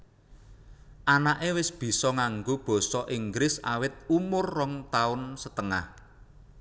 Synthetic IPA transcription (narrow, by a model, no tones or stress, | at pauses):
ʔanaʔewɪsb̥i̤sɔŋaŋɡob̥ɔ̤sɔʔiŋɡɾɪsa̰wɪt̪̚umʊrːɔŋt̪aʊnsət̪əŋah